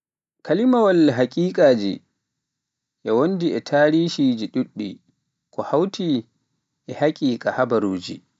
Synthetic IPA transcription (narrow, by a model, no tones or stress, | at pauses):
kʰalimawɐlɦakʼiːkʼaːd͡ʒḭ | ʔawɔndiʔɛtʰaːɾiːʃid͡ʒiɗuɗːi | kɔhawtiː | ʔɛhakʲʼiːkʼahabaɾuːd͡ʒḭ